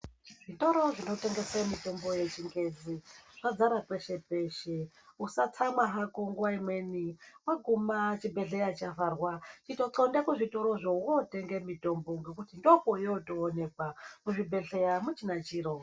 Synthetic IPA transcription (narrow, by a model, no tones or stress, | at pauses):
ʐ̥ito̞ɾo̞ʐino̞te̞ŋɡesemito̞mbo̞je̞t͡ʃiŋɡe̞d͡ziʐ̥ad͡zaɾakwe̞ʃe̞pe̞ʃe | usat͡samaɦakoŋɡuwaimwe̞niwaɡʱumat͡ʃibʱe̞ɬe̞jat͡ʃavaːrwat͡ʃitoǀondakuʐito̞ɾo̞ʐouote̞ŋɡemito̞mboŋɡe̞kutindokojotoːne̞k̚wamuʐibʱe̞ɬejamut͡ʃinat͡ʃiːro